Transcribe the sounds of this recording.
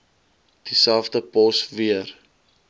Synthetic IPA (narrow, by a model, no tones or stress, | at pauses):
d̥isælˠfdəpɔsviər